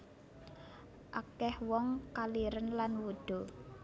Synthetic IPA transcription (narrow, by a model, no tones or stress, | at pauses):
ʔakɛhwɔŋkaliɾənlanwuɖ̪̥o̤